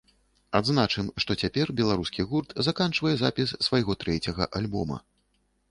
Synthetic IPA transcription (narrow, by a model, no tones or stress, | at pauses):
ad̪znat͡ʂɨmʂt̪ɔt͡sʲapʲɛrbʲɛlˠaɾuskʲiɣurt̪zakant͡ʂvɐjɛzapʲisːvajɣɔt̪ɾɛt͡sʲɐɣɐ̰ʔalʲbɔmɐ̰